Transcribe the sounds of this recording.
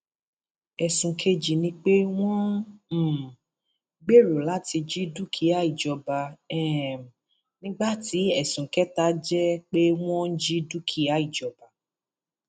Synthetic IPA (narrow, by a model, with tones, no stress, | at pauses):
ɛ˨sũ˨kʰe˦d͡ʒi˨nĩ˦k͡pe˦w̃ɔ̃˦˨ | ɡ͡be˦˨ɾo˨la˨˦ti˧d͡ʒi˦du˦kʰi˦a˨˦i˨d͡ʒɔ˨ba˨ɛ˨ | nĩ˦ɡ͡ba˦ti˨˦ɛ˦˨sũ˨kɛ˦ta˦d͡ʒɛ˦k͡pe˦w̃ɔ̃˦n̩˦d͡ʒi˦du˦kʰi˦a˨˦i˦˨d͡ʒɔ˨ba˨